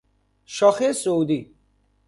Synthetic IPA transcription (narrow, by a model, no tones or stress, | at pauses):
ʃɔχesowd̪i